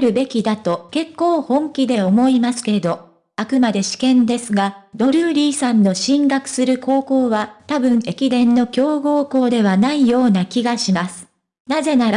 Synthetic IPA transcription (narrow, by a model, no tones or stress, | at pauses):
ɾɯ̟be̞kʲid̪at̪o̞ke̞kːo̞ːhõ̞ŋkʲid̪e̞o̞mo̞imasɨ̥ke̞d̪o̞ | akɯ̟mad̪e̞ɕi̥kẽ̞nd̪e̞sɨɡad̪o̞ɾɯ̟ːɾʲiːsãnːo̞ɕĩŋɡakɯ̟̥sɨɾɯ̟kʰo̞ːko̞ːβat̪abɯ̟̃ɴe̞kʲid̪ẽ̞nːo̞kʲo̞ːɡo̞ːko̞ːd̪e̞β̞anaijo̞ːnakʲiɡaɕimasɨ̥ | naze̞naɾ